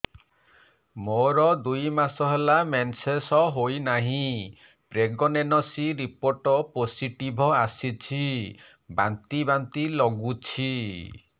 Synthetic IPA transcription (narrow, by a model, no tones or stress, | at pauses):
moɾɔd̪ujmasɔɦelamensesɔɦojnaɦĩ | pɾeɡɔnenɔsiɾipoɾʈɔposiʈibʱɔasit͡ʃʰi | bant̪ibant̪ilɔɡut͡ʃʰi